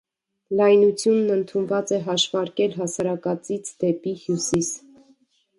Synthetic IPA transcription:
lɑjnut͡sʰjunːənt̪ʰunvɑt͡sɛɦɑʃvɑɾkɛlɦɑsɑɾɑkɑt͡sit͡sʰd̪ɛpihjusis

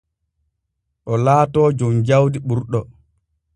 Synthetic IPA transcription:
ʔɔlaːtɔːd͡ʒumd͡ʒawdiɓuɾɗɔ

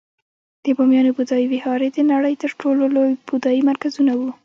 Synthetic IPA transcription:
d̪̥əbɑmjɑnobud̪ɑjiwɪhɑɾed̪ənaɽəjt̪əɾʈololojbud̪ɑjimaɾkazunawu

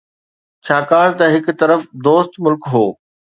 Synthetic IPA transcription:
t͡ɕʰaːkaːɽt̪ɐɦɪk̆t̪ɐɾəfd̪oːst̪mʊlkɦoː

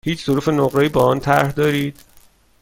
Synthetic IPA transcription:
hiːt͡ʃʰz̥oɾuːfe̞noɣɾɒːjiːbɒːɒːnt̪ʰæɾhd̪ɒːɾiːd̪̥

